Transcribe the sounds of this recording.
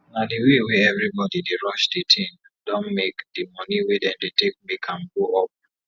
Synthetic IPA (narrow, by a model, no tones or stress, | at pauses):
nadiwewɛɛvɹibɔdideɹɔʃdetʰĩn | dɔ̃nmekdimɔniwedɛ̃ndetek̚mikʰãnɡoɔp̚